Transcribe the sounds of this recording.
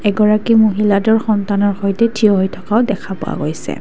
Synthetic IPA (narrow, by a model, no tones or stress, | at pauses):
ɛɡɔɹakimuɦiladɔɹxɔntanɔɹxojtɛtʰiɔɦojtʰɔ̥kaʊdɛkʰapo̰wa̰ɡo̰jsɛ̰